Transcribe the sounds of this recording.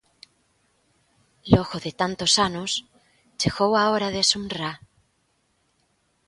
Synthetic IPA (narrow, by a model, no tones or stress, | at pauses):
loɣoðet̪ant̪osanos | t͡ʃeɣowaoɾaðesunra